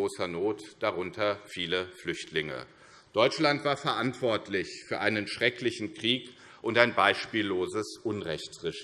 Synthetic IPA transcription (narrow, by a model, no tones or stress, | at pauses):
oːsɐnoːtd̥aʁʊntʰɐfiːləflʏçtʰlɪŋə̰ | d̥ɔʏt͡ʃlantv̥aːɐfɛɐʔantv̥ɔɐtʰlɪçfyːɐʔaɪnənʃʁ̥ɛklɪçn̩kʁ̥iːk | ʔʊntaɪnbaɪʃpiːlːoːzəsʔʊnʁɛçtʁɪʃ